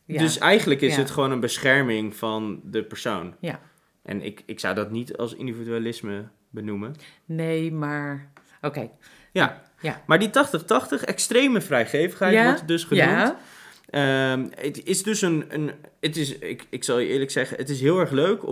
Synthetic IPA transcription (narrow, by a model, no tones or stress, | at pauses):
dɵsɛjχənləkɪssətχəʋownənbəsχɛɹmɪŋvɑndəpəɹso̰wn | ʔɛ̰nɪ̰kɪksʌ̰wdɑtnitɑ̰lˠsɪ̰ndividyalɪsmə | bənumən | nejmaːɹ | okej | ja̰ | maːɹditɑχtəχtɑχtəχɛ̰kstrejməvrɛjχejvəχɦɛjʋɔɹtdɵsχənumt | əəɪsdɵsənənətɪsɪ̰kɪksɑlˠɪːɹləksɛχənətɪs̬ɦɪːlˠɛɹχløɥk